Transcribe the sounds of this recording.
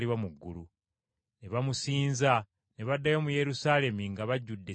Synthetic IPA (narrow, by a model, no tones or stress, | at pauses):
liβamuɡːulu | ne̞βamusiːnza | neβadːajo̞muje̞ɾusaːle̞miŋɡaβaɟːudːe